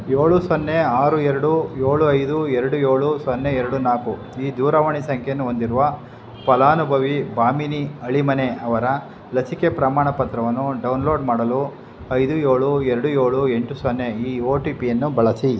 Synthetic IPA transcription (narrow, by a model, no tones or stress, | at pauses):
jo̞ːɭusonːeaːɾueɾɐɽujoːɭuɐjd̪uɛɾɐɽujo̞ːɭusonːeɛɾɐɽunaːku | iːd̪uːɾɐʋɐɳisɐŋkʰenːuɦond̪iɾuʋɐ | pɐlaːnubʱɐʋibaːminiɐɭimɐneɐʋɐɾɐ | lɐsikepɾɐmaːɳɐpɐt̪ɾɐʋɐnːuɖɐwnlo̞ːɖmaːɽɐlu | ɐjd̪ujo̞ːɭueɾɐɽuje̞ːɭue̞ɳʈusonːeiːoːʈiːpijɐnːubɐɭɐsi